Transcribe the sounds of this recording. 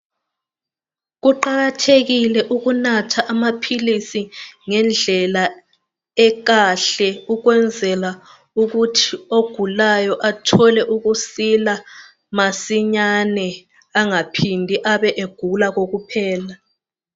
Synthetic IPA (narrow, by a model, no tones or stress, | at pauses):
ɣuǃaɣatʰeɣilɛʔuɣunatʰaʔamapʰilisiŋɛnd͡ɮʱɛla | ɛɣaɬɛuɣwɛnd͡zʱɛla | uɣutʰioɡ̥ʱulajɔʔatʰɔlɛʔuɣusila | masiɲanɛ | aŋapʰindʱiʔaβɛʔeɡ̥ʱulaɣoɣupʰɛːla